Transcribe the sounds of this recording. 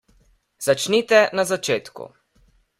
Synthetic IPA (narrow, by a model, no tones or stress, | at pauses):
z̥at͡ʃnit̪ɛnazat͡ʃeːt̪kṵ